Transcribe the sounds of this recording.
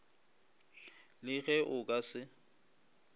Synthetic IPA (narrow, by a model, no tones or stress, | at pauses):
lɪɣɛʔʊkʼasɪ